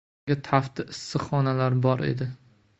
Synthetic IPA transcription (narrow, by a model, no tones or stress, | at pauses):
at̪ʰaft̪ɪʔɪsːɨχɒnalaɾbɒɾḛd̪ɪ